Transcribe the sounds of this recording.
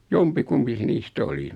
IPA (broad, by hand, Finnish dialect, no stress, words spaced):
jompikumpi se niːst oli